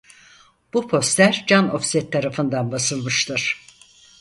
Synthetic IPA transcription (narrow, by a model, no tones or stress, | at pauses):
b̥upʰo̞st̪lʲæɾd͡ʒano̞̰fsɛt̪ʰːaɾafɯnd̪anbasɯlˠmɯʃt̪ɯɾ̥